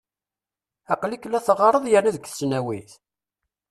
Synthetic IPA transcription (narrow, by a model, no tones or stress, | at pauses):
ɑqliklːæθəʁəɾˤəðˤjəɾnæðəɡθəsnæwiθ